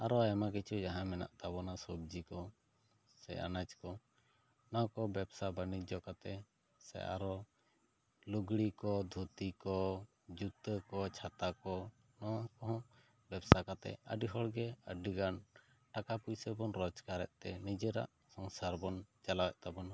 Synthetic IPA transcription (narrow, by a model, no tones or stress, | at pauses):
aɾɔɛmak̬it͡ʃʰud͡ʒaɦãmɛna̰ʔt̪abɔnasɔbd͡ʒikɔ | sɛ̰a̰nad͡ʒkɔ | nawkɔbɛbsabanid͡ʒɔkat̪ɛ | sɛ̰a̰ɾɔ | luɡɽikɔd̪ʱut̪ikɔ | d͡ʒut̪əkɔt͡ʃʰat̪akɔ | nɔwakɔɦɔ̃ | bɛbsakat̪ɛ̰ə̰ɖiɦɔɽɡɛəɖiɡan | ʈakapujsəbɔnɾɔd͡ʒkaɾɛ̰ʔt̪ɛnid͡ʒəɾa̰ʔ | sɔnsaɾbɔnt͡ʃalawɛʔt̪abɔna